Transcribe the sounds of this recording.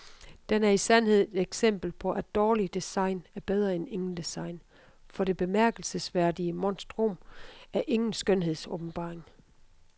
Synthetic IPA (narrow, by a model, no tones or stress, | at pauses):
d̥enæɐisænhe̝ð̞̰ˠed̥eɡ̥sem̰b̥l̩pʰɒ̽ʔæd̥ːɒːlid̥esɑ̈ɪnæɐb̥eð̞ˠʁɐene̝ŋn̩d̥esɑ̈ɪ̰n | fɒ̽ɾe̝b̥e̝mæɐɡ̥əl̩səsʋæɐ̰d̥iəmɒ̽nsd̥ʁomæɐʔe̝ŋn̩sɡ̥ønɦe̝ð̞̰ˠsɔ̽ːb̥n̩b̥ɑ̰̈ːʁeŋ